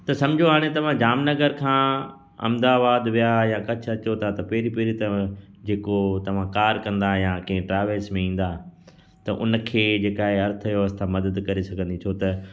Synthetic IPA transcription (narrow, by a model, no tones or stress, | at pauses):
t̪ɐsɐ̃md͡ʑʱoaːɽ̃ẽt̪ɐʋ̤ãd͡ʑaːmnɐɡəɾkʰãː | ɐ̰md̪aːbaːd̪ʋijajãkɐt͡ʃʰɐt͡ɕot̪ʰat̪ɐpeːɾipeːɾit̪ɐ̃ | d͡ʑeːkot̪ɐʋ̤ãkaːɾkɐ̃nd̪ajãːkɐ̃ɦɪ̃ʈɾaːʋəɾsmẽĩːn̆d̪aː | t̪ɐʔʊ̰nəkʰeːd͡ʑeːkaːɦeɐɾt̪ʰjoɐst̪ʰãmɐd̪əd̪kɐɾesɐɡʱə̃nd̪it͡ʃ̪ʰot̪ɐ